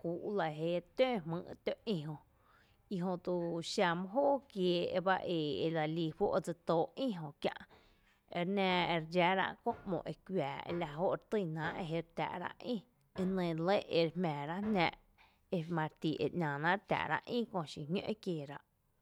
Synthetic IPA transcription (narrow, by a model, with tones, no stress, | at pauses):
kuː˨ʔla˧˨ɦe˧ɾt̪ø̃ː˦˨˧mɨ̰̃ː˧˨ʔt̪o˦˨ʔĩ˧˨ɦõ˧ | i˧ɦõ˧t̪u˧ʃa˧˨mɔ̃˦ɦoː˦˨kjeː˨˧˨e˧ba˦ʔe˨e˧la˧liː˧ɸo̰˦ʔd͡zɨ˧t̪oː˧˨ʔĩ˦ɦõ˧kjã̰˧ʔ | e˧ɾnãː˧e˧ɾd͡ʒa˧ɾa̰˦˧ʔkõ̰˦˧ʔmõ̰˨ʔe˧kʷwjaː˨ḛ˧la˧ɦo˦ʔɾt̪ɨ˧˨nã˨˦ʔe˧ɦe˧ɾt̪ʲa̰˨ʔɾa̰˧ʔʔĩ˦ | e˧nẽ˧˨˧le˦ʔe˧ɾe˧hmɛ̃ː˨ɾa˦ʔnãː˧ʔ | e˧mã˧ɾt̪i˨ʔḛ˨ʔɲʲã˨nã˦ɾt̪a̰˨ɾa̰˧ʔʔĩ˦kõ˧˨ʃi˧ɲõ̰˦ʔe˦kjeː˨ɾa˧ʔ